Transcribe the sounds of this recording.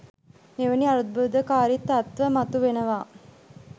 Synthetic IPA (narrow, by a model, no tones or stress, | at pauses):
eʋəniaɾud̪̚bud̪əkaːɾit̪ːɐt̪ʋəmat̪uʋenəʋaː